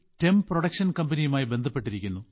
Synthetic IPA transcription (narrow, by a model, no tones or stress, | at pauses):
temproɽɐkʂɐnkɐmbɐnijumaːjibe̞nd̪ʱɐpːe̞ʈːiɾikʲːunːu